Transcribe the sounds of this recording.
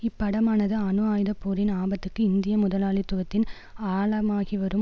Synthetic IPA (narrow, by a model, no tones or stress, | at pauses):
ɪpːɐɽɐmaːnɐðɯɐnɯaːjðɐpːoːɾɪnaːbɐt̪ːɯkːɯɪnd̪ɪjɐmʊðɐlaːɭit̪ːʊɣɐt̪ːɪn | aːɭɐmaːɣiʋɐɾɯm